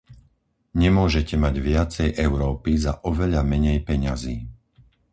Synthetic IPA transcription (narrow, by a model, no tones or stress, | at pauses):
ɲɛmʊɔʒɛcɛmaɟʋɪat͡sɛjʔɛʊɾɔːpizaʔɔʋɛʎamɛɲɛjpɛɲaziː